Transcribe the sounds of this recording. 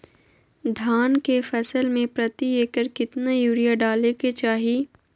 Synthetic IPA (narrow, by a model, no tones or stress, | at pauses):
d̪ʱaːnkefɛsəlmẽpɾɐt̪ieːkəɾkɪt̪najuːɾijaɖaːleket͡ʃaːɦi